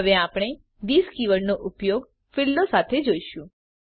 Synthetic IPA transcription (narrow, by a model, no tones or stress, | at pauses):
əʋeapɽ̃e | ʋiskiʋəɭnoʔʊpjoɡ | fɪlːosat̪ʰed͡ʒoiʃũ